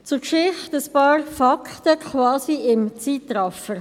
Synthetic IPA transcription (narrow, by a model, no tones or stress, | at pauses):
t͡sʊkʃɪχtəspɑːɾfakʰtəkʰχvɑːsiɪmt͡siːtɾɑfə